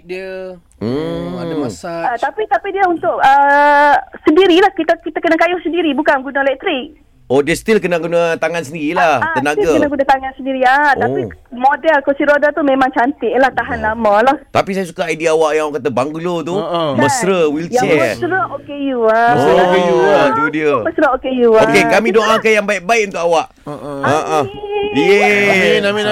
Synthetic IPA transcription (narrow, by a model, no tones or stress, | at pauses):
d | m̩ | sat̪apit̪apidiəunt̪ʊʔə | səndiɾilahkit̪əkit̪akənakajʊhsəndiɾibukanɡunəlɛk̚t̪ɾɪk̚ | odiəst̪ilkənaɡunat̪aŋansəndiɾilahat̪ːənaɡakənaɡunat̪aŋansəndiɾiaapimodɛlkosiɾodət̪umẽmãŋt͡ʃant̪ɪʔlaht̪aɦanlamə̃laht̪apisajasukaaidiawaʔjãŋakat̪əbaŋɡulot̪uməsɾəwiljt͡ʃɛsɾəokejuasokeuat̪udiəməsɾəokejuokekamĩdoʔakajaŋbaiʔ̚baɪʔ̚unt̪ʊkawaʔ | aʔəjenami